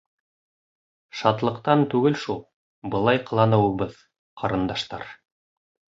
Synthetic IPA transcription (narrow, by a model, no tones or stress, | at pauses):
ʃɑt̪lˠɤ̆qt̪ɑnt̪ʉɡɘlʃulˠ | bɤ̆lˠɑjqɤ̆lˠɑnɤ̆wɤ̆βɤð | qʰɑɾɤ̆nd̪ɑʃt̪ɑ̰ɾ